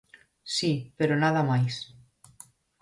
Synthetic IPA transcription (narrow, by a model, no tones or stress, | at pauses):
sipeɾonað̞amajs